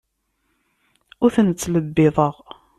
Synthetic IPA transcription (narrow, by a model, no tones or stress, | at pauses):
ʊɾθənt͡sːləbːɪðˤəʁ